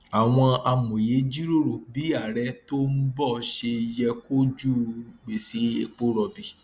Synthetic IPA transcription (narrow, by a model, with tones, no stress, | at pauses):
a˨w̃ɔ̃˧a˧mõ˨je˨˦d͡ʒi˦ɾo˦˨ɾo˨bi˨˦a˦˨ɾɛ˧to˦m̩˦bɔ˦˨ʃe˧jɛ˧ko˦d͡ʒu˦˨ɡ͡be˨si˨˦e˨k͡po˦ɾɔ˧bi˨